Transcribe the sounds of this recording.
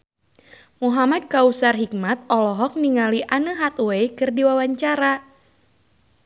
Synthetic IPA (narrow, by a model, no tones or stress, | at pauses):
muɦamad̚kausarɦik̚mat̪̚ɔlɔɦɔk̚niŋaliʔanəɦat̪uejkɨrdiwawaɲt͡ʃaɾa